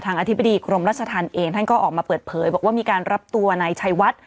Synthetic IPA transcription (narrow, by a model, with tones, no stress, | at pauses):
t̪ʰaː˧ŋʔa˧t̪ʰi˦˥ba˧˨diː˧kʰɾo˧mɾaː˥˩t̪̚t͡ɕʰa˧t̪ʰaː˧nʔeː˧ŋt̪ʰa˥˩nkɔː˥˩ʔɔː˨˩k̚maː˧pɤː˨˩t̪̚pʰɤː˩˦jbɔː˨˩waː˥˩miː˧kaː˧nɾa˦˥p̚t̪u˧ɐna˧jt͡ɕʰa˧jwa˦˥t̪̚